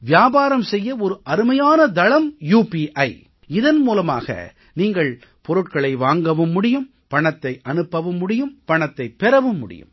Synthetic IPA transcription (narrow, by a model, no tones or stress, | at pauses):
ʋɪjaːbaːɾɐmsɛjːɐɔɾɯʔɐɾɯmɐjaːnɐd̪ɐɭɐmjuːpiʔɐɪ | ɪðɐnmuːlɐma̰ːɣɐ̰ | niːŋɡɐɭ | pɔɾɯʈkɐɭɐɪʋaːŋɡɐʋɯmːʊɽɪjɯm | pɐɳɐt̪ːɐɪʔɐnɯpːɐʋɯmːʊɽɪjɯmpɐɳɐt̪ːɐɪpːɛɾɐʋɯmːʊ̰ɽɪ̰jɯ̰m